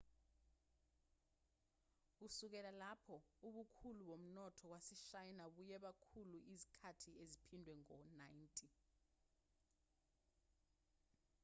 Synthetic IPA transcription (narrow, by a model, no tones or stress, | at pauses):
k̬usuk̬ɛlalapʰɔuɓukʰuluɓom̩nɔtʰɔk̬wasiʃajinaɓujɛɓakʰuluʔizi̥kʰatʰiezipʰindʱwɛŋɔnajntʼi